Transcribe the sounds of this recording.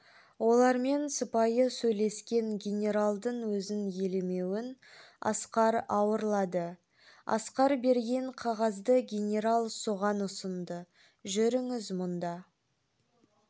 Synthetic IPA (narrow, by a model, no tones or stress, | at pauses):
wo̞lˠɑɾme̞nsəpɑjəsɵjle̞skʲe̞ŋɡʲenʲe̞ɾalˠd̪əɴwɵzɪnjeleme̞wɪn | ɑ̰sqɑɾɑwəɾlˠɑd̪ə | ɑ̰sqɑɾbe̞ɾɡʲe̞ɴqʰɑʁɑzd̪əɡʲe̞nʲe̞ɾalˠsoʁɑnʊsənd̪ə | ʒʏɾɪŋɪzmʊnd̪ɑ